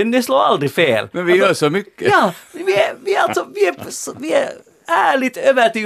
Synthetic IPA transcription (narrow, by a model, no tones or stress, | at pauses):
ɛnd̪ɛsloːɾɑ̰ld̪ɾɪfeːlmɛnʋɪjøːsɔmʏkːəjɑːmɛʋɪæʋɪæɑlt̪sɔʋɪæɾsʋɪæɾ | æːɭɪt̪ːøːʋæt̪y